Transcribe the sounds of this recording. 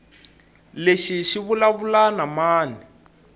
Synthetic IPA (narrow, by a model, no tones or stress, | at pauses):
leʃiʃiβulaβulanamaːni